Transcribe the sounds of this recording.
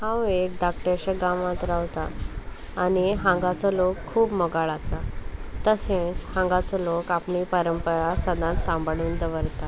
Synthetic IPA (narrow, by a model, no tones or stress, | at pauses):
hãwekɖak̚ʈəɾɕəɡaʋãt̪ɾawt̪aː | niɦãŋɡat͡sɔlokʰːuːpmɔɡaɭasat̪əsẽt͡shãŋɡat͡sɔlokapɳiːpəɾəmpəɾasəd̪ãt̪sãmbɭuːnd̪əʋəɾt̪a